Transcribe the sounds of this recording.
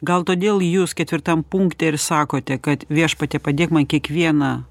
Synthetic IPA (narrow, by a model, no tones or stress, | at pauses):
ɡɐlˠt̪oːd̪ʲeːlˠjuːskʲɛt̪ʲʋʲɪɾt̪ɐmpuŋkt̪ʲɛɪɾsɑːkoːt̪ʲɛkɐt̪ʋʲiɛʃpɐt̪ʲɛpɐd̪ʲeːkmɐnkʲiɛkʋʲiɛnɐ